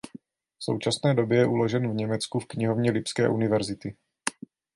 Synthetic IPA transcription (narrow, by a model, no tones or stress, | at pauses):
fso̞̰wt͡ʃasnɛːdo̞bjɛjɛʔulo̞ʒɛnvɲɛmɛt͡skufkɲɪɦo̞vɲɛlɪpskɛ̰ːʔunɪvɛɾzɪt̪ɪ